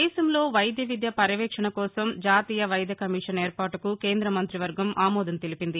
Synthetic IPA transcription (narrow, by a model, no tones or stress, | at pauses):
ɛːsɐmlo̞ːʋɐjɐd̪jɐʋid̪jɐpɐɾiʋɛːkʂɐɳɐkɔːsɐmd͡ʒaːt̪iːjɐʋɐjɐd̪ʱɐkɐmiːʂɐneːɾpaːʈɐkuke̞ːnd̪ɾɐmɐnt̪ɾiʋɐɾɡɐmʔaːmɔːd̪ɐnt̪elipind̪i